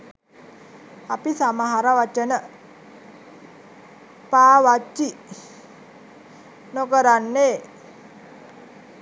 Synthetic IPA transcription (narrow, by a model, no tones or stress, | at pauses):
apisamaɦaɾaʋat͡ʃənə | paːʋat͡ʃːi | nokəɾanːe